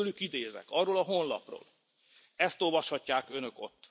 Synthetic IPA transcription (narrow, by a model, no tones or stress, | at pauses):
ylykid̪eːzɛ̰kɒrːoːlɒɦo̞nlɒ̰pro̰ːl | ɛst̪o̞lvɒʃhɒcːaːkønø̞ko̞̰t̪ː